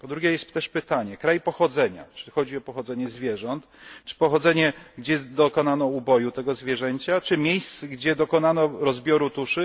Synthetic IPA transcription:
pɔd̪ɾuɡʲɛjɛst̪t̪ːɛʂpɘt̪aɲɛkɾajpɔxɔd̪zɛɲa̰t͡ʂɘxɔd͡ʑiɔpɔxɔd̪zɛɲɛzvʲjɛʐɔnt̪t͡ʂɘ̥pɔxɔd̪zɛɲɛɡd͡ʑɛd̪ɔkɔnanɔubɔjut̪ɛɡɔzvʲjɛʐɛɲt͡ɕat͡ʂɘmʲjejst̪sɡd͡ʑɛd̪ɔkɔnanɔɾɔzbʲjɔɾut̪uʂɘ

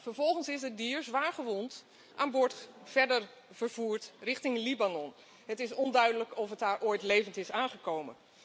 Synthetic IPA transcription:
fəɹvɔlˠχənsɪsədiːɹzʋaːɹχəʋɔnt | ʔaːnbʊɹtfɛɹdəɹ | vəɹvuːɹtrɪχtɪŋlibanɔn | ɦətɪsɔndœɥdələkɔfətaːɹʔoːjtlejvəntɪsaːnχəkowmə̰n

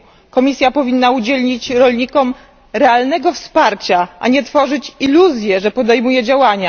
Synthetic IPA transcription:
kɔmʲisʲjapɔvʲinːaud͡ʑɛlɲit͡ɕɾɔlɲikɔm | ɾɛalnɛɡɔfspaɾt͡ɕaʔa̰ɲɛt̪fɔʐɘt͡ɕiluzʲjɛʐɛpɔd̪ɛjmujɛd͡ʑawaɲa

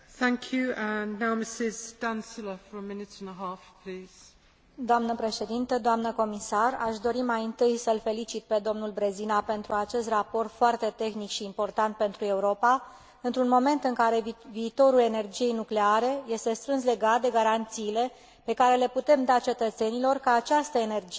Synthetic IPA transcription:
θæ̃ŋkʰjʉə̃nːaʊmɪsɪzd̥ãnsɪləfəɹəmɪnɪtə̃nəɦɑˑfpʰl̥iːz̥ | d̪oamnəpɾe̞ʃe̞d̪int̪əd̪oamnəko̞misara̰ʃd̪o̞ɾimajɨnt̪ɨjsəlfe̞lit͡ʃit̪̚pe̞d̪o̞mnulbɾe̞zinape̞nt̪ɾuat͡ʃe̞st̪rapo̞rt̪foart̪e̞t̪e̞xnikʃiːmpo̞rt̪ant̪̚pe̞nt̪ɾue̞uɾo̞pa | ɨnt̪ɾunmo̞me̞nt̪ɨŋkaɾe̞viːt̪o̞ɾule̞ne̞rd͡ʒije̞jnukle̞aɾe̞je̞st̪e̞st̪ɾɨnsle̞ɡat̪̚d̪e̞ɡaɾant̪siːle̞ | pe̞kaɾe̞le̞put̪e̞md̪at͡ʃe̞t̪ət̪se̞nilo̞rkəat͡ʃast̪əene̞rd͡ʒ

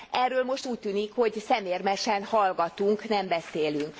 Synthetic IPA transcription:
ʔɛrːøːlmo̞ʃt̪uːc̚t̪yːnikho̞ɟsɛmeːrmɛʃɛnhɒlɡɒt̪uŋknɛmbɛseːlyŋk

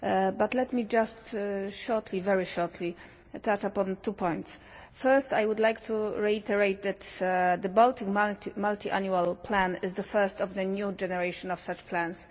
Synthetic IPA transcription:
bat̪lɛt̪mid͡ʒastʃɔɹtʰlivɛɹiʃɔɹt̪ʰli | ət̪ʰat͡ʃapɔ̃nt̪upʰɔ̃j̃nt̪s | fɛɹsta̰jwʊd̪lajkt̪ʰuɹɛit̪ʰɛɹejt̪̚d̪ɛt̪d̪əbɔlt̪ɪ̃ŋmatimalt̪iʔa̰njualpʰlæ̃nɪzd̪əfɛɹst̪ɔvðənjud͡ʒɛnɛɹejʃɔ̃nɔfsat͡ʃpʰlæ̃ns

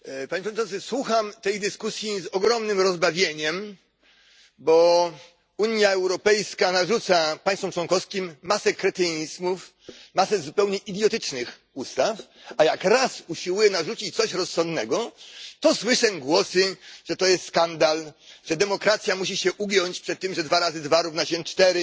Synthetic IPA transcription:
paɲepʂɔeʂt͡ʂɔnɨswuxamt̪ɛjd̪ɘskusʲjizɔɡɾɔmnɘmɾɔzbavʲjeɲɛm | bɔ | uɲjaɛwɾɔpɛjskanaʐut̪sapaj̃st̪fɔmt͡ʂwɔnkɔfskʲimːasɛkɾɛt̪ɛɲizmuf | masɛzupɛwɲɛʔid̪ʲjɔt̪ɘt͡ʂnɘx | ust̪afajakɾasuɕiwujɛnaʐut͡ɕit͡ɕt̪sɔɕɾɔsːɔnd̪nɛɡɔt̪ɔswɘʂɛɡwɔsɘʐ̥ɛt̪ɔjɛst̪skand̪alʐ̥ɛd̪ɛmɔkɾat̪sʲjamuɕ̬iɕɛʔuɡjɔɲt͡ɕpʂɛt̪ːɘmʐɛd̪vaɾazɘd̪vaɾuvnaɕɛnt͡ʂt̪ɛɾɪ

